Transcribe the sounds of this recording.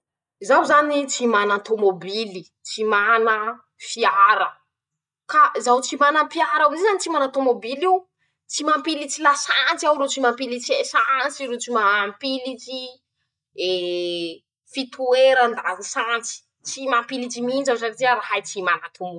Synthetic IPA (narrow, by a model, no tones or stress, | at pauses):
zawzanit͡simanat̪omobili | t͡simanə | fiaɾə | kazawt͡simanəpiaɾawzzanit͡simanat̪omobiliw | t͡simampilit͡silasant͡siawɾot͡simampilit͡siesant͡siɾut͡simampilit͡ʃi | e | fit̪ʰueɾand̪aɦusant͡si̥ | t͡simampilid͡ʒiminzawsakit̪iaɾahajt͡simanat̪ʰomo̥